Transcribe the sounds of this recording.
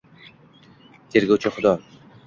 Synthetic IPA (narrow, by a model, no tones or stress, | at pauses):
t̪ʰeɾɡʲowt͡ʃʰɪχʊd̪ɒ